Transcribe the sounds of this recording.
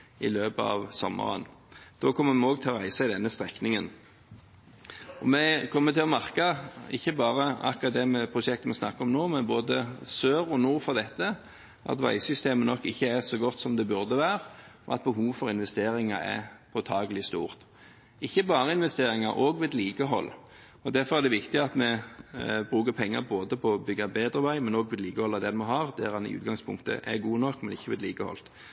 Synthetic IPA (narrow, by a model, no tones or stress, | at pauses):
ɪ̰løːpəɑ̰ːʋsɔmːə̰ʁə̰nd̪̥oːkʰɔmːəmɛoːɡ̚t̪ʰɪlɔʁæɪsɑɪd̪ɛnːəst̪ʁɛknɪŋən | ɔ̰mɛkʰɔmːət̪ʰɪlɔmɑʁkɑɪçːəbɑːʁəɑ̰kʁɑt̪̚d̪ɛməpʰʁʊʃɛkt̪mɛsnɑkːəɔmnoːmɛnboːd̪əsøːʁɔnuːʁfɔʁd̪ɛt̪ːə | ʔɑ̰t̪ʋæ̰ɪsʏst̪eːmənɔkːɪçːəæsɔɡɔt̪ːsɔmd̪ɛbʉʁd̪əʋæːʁɔ̰ɑ̰t̪̚bəɦuːʋfɔɾɪnʋɛst̪eːɾɪŋɑɛ̰pʰɔt̪ʰɑːɡəlɪst̪ṵːʁt̪ | ɪçːəbɑːʁəɪnʋɛst̪eːɾɪŋɑɾʔoːɡʋeːd̪liːkəɦɔ̰lː | ɔd̪æɾfɔɾæd̪ɛʋɪkt̪ɪɑt̪mɛ | bɾʉːkəpʰɛŋːɑ̰ɾboːd̪əpʰɔɔbʏɡːɑbeːd̪ɾəʋæɪmɛnoːɡʋɪːd̪liːkəhɔlːɑd̪ɛnmɔɦɑʁd̪æɾɑnɪ̰ʔʉ̰ːt̪ɡɑŋspʰʊ̰ŋkt̪ə̰ʔɛ̰ɡuːnɔkːmɛnɪçːəʋɪ̰ːd̪liːkəhɔ̰lt̪